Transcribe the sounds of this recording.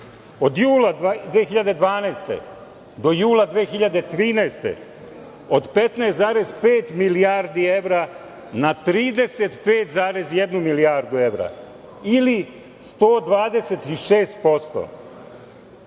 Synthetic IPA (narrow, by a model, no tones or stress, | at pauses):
o̞d̪juːlˠad̪ʋeːxiʎad̪e̞d̪ʋaːnɛːst̪ḛ | d̪o̞juːlad̪ʋeːxiʎad̪et̪ɾiːnɛst̪ḛ | od̪pet̪naːst̪zaːɾe̞zpeːt̪miliaɾd̪ie̞ʋɾa | nat̪ɾiːd̪e̞se̞t̪pe̞ːt̪zaːɾe̞zjed̪numilijaɾd̪ue̞ʋɾa̰ | ili | st̪oːd̪ʋaːd̪e̞se̞t̪iʃeːst̪po̞st̪o̰